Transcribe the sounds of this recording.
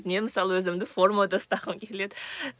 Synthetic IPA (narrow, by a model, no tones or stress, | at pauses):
t̪neməsɑlˠwɵzɪmd̪ɪfoɾmad̪ost̪ɑʁəmkʲʰeled̪